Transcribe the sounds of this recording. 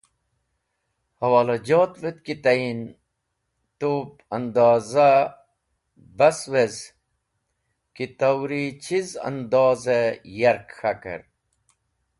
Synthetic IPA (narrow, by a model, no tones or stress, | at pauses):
hɐwaːlɐd͡ʑoːt̪ʋet̪kit̪ain | t̪opɐnd̪ɑːza | bɐswez | kit̪awɾit͡ɕʰizɐ̰nd̪ɑːzejaɾkxakə̰ɾ